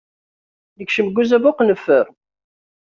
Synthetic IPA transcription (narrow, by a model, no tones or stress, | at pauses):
nəkʃəmɡːuzævʊqnəfːəɾ